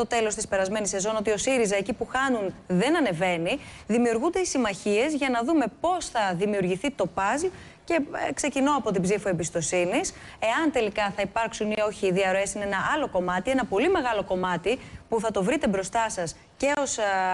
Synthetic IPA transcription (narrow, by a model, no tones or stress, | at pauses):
t̪o̞t̪e̞lo̞st̪ispe̞ɾɐzme̞nise̞zo̞no̞t̪io̞siɾizɐecipuxɐnunðe̞nɐne̞ve̞niðimiuɾɣund̪e̞isimɐçie̞zʝɐnɐðume̞po̞sθɐðimiuɾʝiθit̪o̞pɐz | ce̞kse̞cino̞ɐpo̞t̪̬ibzifue̞mbist̪o̞sinis | e̞ɐnt̪e̞likɐθɐipɐɾksunio̞çiːðiɐɾo̞e̞sinenɐʔɐlo̞ko̞mɐt̪ie̞nɐpo̞lime̞ɣɐlo̞ko̞mɐt̪ipuθɐt̪o̞vɾit̪e̞bɾo̞st̪ɐsɐs | ce̞o̞s